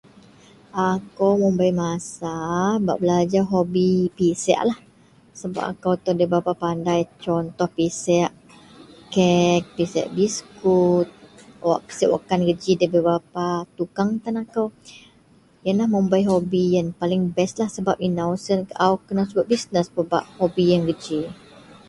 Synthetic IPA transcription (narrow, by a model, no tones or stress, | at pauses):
ʔakawməmbajmasaba̰ʔbəlad͡ʒaɦobipisɛ̰ʔlah | səba̰p̚a̰kawt̪ɔhdəbapapandajt͡ʃɔnt̪ɔhpisɛʔ | kɛk̚pisɛ̰ʔbiskut̪̚wa̰ʔkə̥sɛʔwa̰kanɡəd͡ʒidəbəbapat̪ukaŋt̪anakaw | janlahməmbajɦobijanpalɪŋbɛslahsəbap̚inawsənkʔawkənasəbaʔ̚bisnəspəba̰ʔhobijaŋɡəd͡ʒi